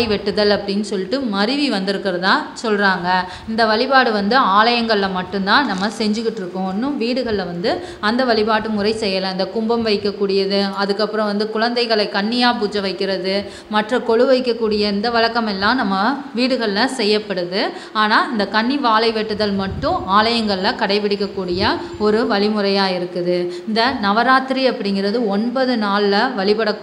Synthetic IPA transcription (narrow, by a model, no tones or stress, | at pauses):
ɪʋɛʈːɯðɐlɐpːɐɽɪnːɯsɔlːɪʈːɯmɐɾɯʋiʋɐnd̪ɯɾɯkːɪɾɐðt̪ãːsɔlraːŋɡɐ | ɪnd̪ɐʋɐɭɪbaːɽɯʋɐnd̪ɯaːlɐjɐŋɡɐɭɪlɐmɐʈːɯ̃nt̪ãːnɐmːɐsɛɲd͡ʒɯkːɪʈːɪɾɯkːʊ̃nːɯ̃ʋiːɽɯɣɐɭlɐʋɐnd̪ɯ | ɐnd̪ɐʋɐɭɪbaːʈːɯmʊɾɐɪsɛjːɐlɐ̃ɪnd̪ɐkʊmbɐmʋɐɪkːɐkːuːɽɪjɐðɯɐðɯkːɐpːɯɾɐ̃ʋɐnd̪ɯkʊɻɐnd̪ɐɪɣɐɭɐɪkːɐɳːɪjaːp̬uːt͡ʃːɐʋɐɪkːɪɾɐðɯ | mɐʈrɐkɔɻɯʋɐɪkːɐkːuːɽɪjɐɪnd̪ɐʋɐɻɐkːɐmɛlːãːnɐmːɐʋiːɽɯɣɐɭlɐsɛjːɐpːɐɽɯðɯ | aːnaːɪnd̪ɐkɐɳːiʋaːlɐɪʋɛʈːɯðɐlmɐʈːʊ̃aːlɐjɐŋɡɐɭɪlɐkɐɽɐɪpɪɽɪkːɐkːuːɽɪjɐ | ɔɾɯʋɐɭɪmɯɾɐjaːjɪɾɯkːɯðɯɪnd̪ɐnɐʋɐɾaːt̪ɪɾiɐpːɐɽɪŋɡɪɾɐðɯɔɳbɐðɯnaːlːɐʋɐɭɪpɐɽɐ